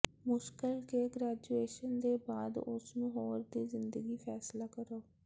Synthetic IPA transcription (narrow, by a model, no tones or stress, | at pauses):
mʊʃkɪlkeːɡɾɛːd͡ʒueːʃənd̪eːbaːd̪ʊ̰snũːɦoːɾd̪iːzɪnd̪əɡiːpʰɛːslaːkəɾoː